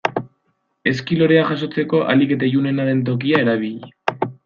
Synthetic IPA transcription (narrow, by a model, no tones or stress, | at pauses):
e̞skilo̞ɾe̞aʝaso̞t͡se̞ko̞ʔa̰like̞t̪eʝune̞naɾe̞nt̪̬o̞k̬iae̞ɾaβ̞iʎ